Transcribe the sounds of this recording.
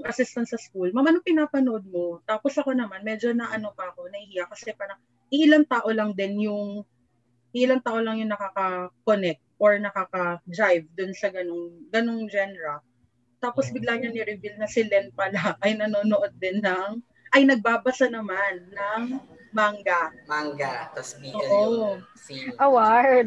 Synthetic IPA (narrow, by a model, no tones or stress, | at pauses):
ŋʔɐsɪst̪ɐnsɐskulmɐmanʊŋpɪnaːpɐnoʔod̪̚mo̞t̪aːpo̞sʔɐko̞nɐmanmɛd͡ʒo̞nɐʔɐno̞pɐɐko̞nɐhɪhijɐkɐsɛpaɾɐ | ʔɪʔɪlaŋt̪aːʔo̞lɐŋd̪ɪnjʊŋ | ʔɪʔɪlaŋt̪aːʔo̞lɐŋjʊŋnɐkaːkɐkonɛk̚t̪̚ʔoɹnɐkaːkɐd̪ɹajvd̪ʊnsɐɡɐnoŋɡɐno̞ŋd͡ʒɛnɛɾɐl | t̪aːposbɪɡ̚laɲɐnɪɾɪvilnɐsɪlɛn̚pɐlaʔɐjnɐnonoʔo̞d̪̚ːɛnːɐŋ | ʔɐjnɐɡ̚baːbɐsanɐmanːɐŋ | maŋɡamaŋɡat̪ɐsioːʔo | ʔɐwaɹ